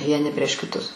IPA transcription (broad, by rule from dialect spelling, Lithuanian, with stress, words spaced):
ʋʲiɛˈnʲɪ pʲrʲiɛʃ kʲɪˈtʊs